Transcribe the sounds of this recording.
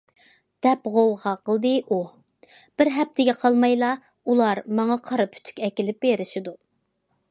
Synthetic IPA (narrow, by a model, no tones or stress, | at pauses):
d̪̥ɛpʁowʁɑqəlˠd̪ɨʔu | b̥ɪɾɦɛp̚t̪ʰɪɡʲɛqʰɑlˠmɑjlˠɑ | ulˠɑɾmɑŋɑqʰɑɾɨpʰy̥t̪ʰy̥kʲɛkʲilɪp̚beɾɪʃɪd̪u